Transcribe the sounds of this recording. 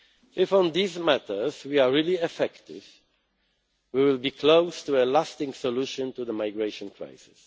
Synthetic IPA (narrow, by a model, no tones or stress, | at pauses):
ʔɪfɔ̃nðizmætə˞zwiaɹiliɛfɛktɪ̰v | wiwɪlˠbikʰloʊstuəlastɪ̃ŋsɔluʃɔ̃ntuðəmaɪɡɹeɪʃɔ̃nkʰɹa̰ɪsɪ̥s